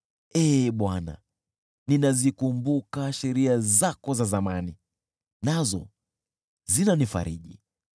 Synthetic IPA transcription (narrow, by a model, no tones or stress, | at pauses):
ɛːɓwana̰ | ninazikumbukaʃɛɾiazakɔzazamani | nazɔ̰ | zinanifa̰ɾḭʄḭ